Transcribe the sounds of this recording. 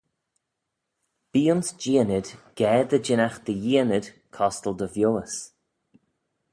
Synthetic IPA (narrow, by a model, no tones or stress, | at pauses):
b̥iːʊnsd͡ʒiənɪd̪̥ɡ̥ɛːd̪əd͡ʒɪnaxd̪̥əjiənɪd̥ | kʰɔstəlˠd̪əvjoːəs